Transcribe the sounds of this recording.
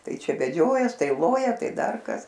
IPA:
ˈtɐɪ ˈt͡ʃʲɛ ʋʲɛˈd͡ʒʲoːjɛs ˈtɐɪ ˈlˠoːjɛ ˈtɐɪ ˈdɐr kɐs

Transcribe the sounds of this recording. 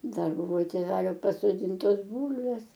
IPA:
ˈdɐr ˈbʊʋoː tʲeːˈʋʲæːlʲoː pɐsoːˈdʲiːntoːs ˈbuːlʲʋʲeːs

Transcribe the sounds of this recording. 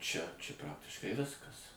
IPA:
t͡ʃʲɛ t͡ʃʲɛ ˈprɑːktʲɪʃkɐɪ ˈʋʲɪskɐs

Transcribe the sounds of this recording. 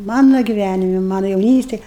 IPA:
ˈmɑːnʊ ɡʲɪˈʋʲænʲɪmʲɪ ˈmɑːnʊ jɛʊˈnʲiːsʲtʲeːj

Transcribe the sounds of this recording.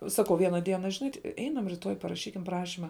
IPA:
ˈsɑːkɐʊ ˈʋʲiɛnɐ ˈdʲiɛnɐ ʒʲɪˈnɐɪ ˈɛɪnɐm rʲɪˈtoːj pɐrɐˈʃʲiːkʲɪm ˈprɑːʃʲɪmɐ

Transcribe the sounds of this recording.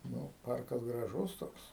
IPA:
ˈnʊ ˈpɐrkɐs ɡrɐˈʒʊs ˈtoːks

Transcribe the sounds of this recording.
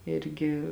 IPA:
ˈɪrʲɡʲɪ

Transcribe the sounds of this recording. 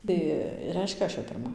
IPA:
ˈtɐɪ ˈrʲɛɪʃʲkʲɛ ˈɐʃ jɛʊ pʲɪrˈmɐ

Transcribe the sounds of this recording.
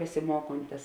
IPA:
bʲɛsʲɪˈmuɔkoːnʲtʲɪs

